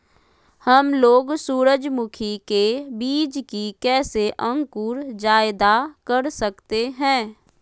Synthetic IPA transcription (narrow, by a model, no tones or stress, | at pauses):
həmloːɡsuːɾəd͡ʒmʊkʰikebiːd͡ʒkikɛːseʔə̃ŋkuːɾd͡ʒaːɪd̪akəɾsəkt̪eɦɛ̃ː